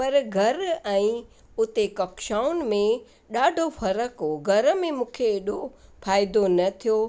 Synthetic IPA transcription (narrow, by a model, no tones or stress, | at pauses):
pɐɾɡʱɐɾɛ̃ː | ʊt̪ekɐkʃaːʊnmẽ | ɗaːɖʱofɐɾəkoɡʱɐɾə̆mẽmũːkʰeːɗofaːɪd̪onɐt̪ʰijo